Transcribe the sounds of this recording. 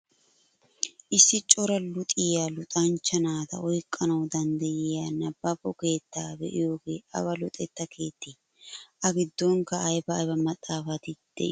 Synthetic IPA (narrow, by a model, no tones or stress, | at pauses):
ʔɪsːɪt͡ʃʼɔɾɐlʊt̪ʼɪjaːlʊt̪ʼɐnt͡ʃːɐnaːd̪ɐ̰ʔɔjkʼːɐnɐwd̪ɐnd̪ɐjɪjaːnɐbːɐpʼːɔke̞ːt̪ːaːbɛʔɪjoːɡe̞ːʔɐ̰βɐlʊt̪ʼɛt̪ːɐkʰe̞ːt̪ːiː | ʔɐɡɪd̪ːoŋkɐʔːjbɐːjbɐmɐt̪ʼːaːfɐt̪ɪd̪̥ɛ̰ʔɪ